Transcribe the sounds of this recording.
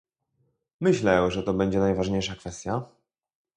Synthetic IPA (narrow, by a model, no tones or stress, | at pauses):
mɘɕlɛʐɛt̪ɔbɛɲd͡ʑɛnajvaʐɲejʂakfɛst̪ʲja